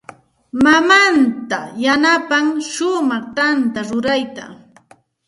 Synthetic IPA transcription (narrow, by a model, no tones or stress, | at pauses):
mamant̪ajanapaŋʃʊmɑχt̪ant̪aɾʊɾajt̪a̰